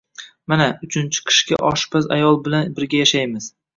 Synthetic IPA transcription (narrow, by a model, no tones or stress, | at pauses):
manaʊt͡ʃʰɪnt͡ʃʰɪ̥qʰɪ̥ʃkʲa̰ʔɒʃbaza̰jɒlˠbɪlanbɪɾɡʲajaʃajmɪz̥